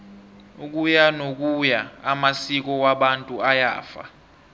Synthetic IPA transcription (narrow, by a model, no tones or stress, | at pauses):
uk̬ujanok̬ʼujaːmasik̬ɔwaɓantʼuaja̰ːfa̰